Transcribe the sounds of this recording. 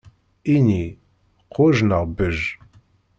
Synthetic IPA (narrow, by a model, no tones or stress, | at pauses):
ini | qʰoʒnaʁbɨʒ